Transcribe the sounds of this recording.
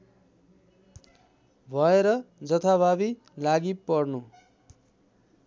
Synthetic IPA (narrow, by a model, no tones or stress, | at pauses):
bʱʌeɾʌd͡zʌt̪ʰaβʱabi | laɡipʌrnu